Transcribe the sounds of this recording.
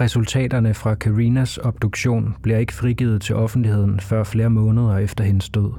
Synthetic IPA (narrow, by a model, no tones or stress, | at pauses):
ʁɛsult͡sʰɛ̰ːd̥ɐnəfʁɑ̈kʰæʁinæsɒ̽b̥d̥uɡ̥ɕo̝̰ːnb̥liɐe̝ɡ̥ə̥fʁiɡ̥iːð̩ˠt͡sʰe̝lʔɒ̽fn̩d̥lihe̝ð̞̰ˠn̩fɶɐ̰fle̝ːɐmɔ̽ːnəð̞ˠɐefd̥ɐɦe̝nəsd̥ɔð̰ˠ